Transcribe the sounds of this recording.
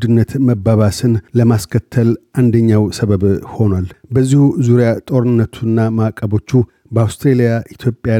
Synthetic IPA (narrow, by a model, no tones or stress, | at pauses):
d̪ɨnːət̪məbaβasɨnləmaskʰət̪ʰːəlʔand̪əɲːawsəβəβho̞nwalbəzːihuzuɾejat̪ʼo̞ɾɨnːət̪ʰunːamakʼːəβo̞t͡ʃːu | bəawst̪ɾelijaʔit̪ʰjo̞pʼːja